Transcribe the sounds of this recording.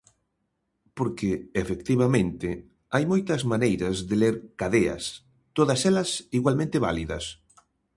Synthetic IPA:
poɾkeːfekt̪iβamẽnt̪ɪ | ajmojt̪ɐzmanejɾɐzðeleɾkaðeɐ̰s | t̪oðɐsɛlɐsiɣwalmẽnt̪eβa̰liðɐs

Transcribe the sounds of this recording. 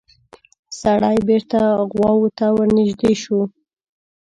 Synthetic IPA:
saɽajbeɾt̪aɣwɑwot̪awəɾnɪʒd̪eʃu

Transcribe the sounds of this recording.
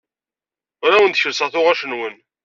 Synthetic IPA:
ɾawənt̪çəɾsəʁθʊʁæʃənwən

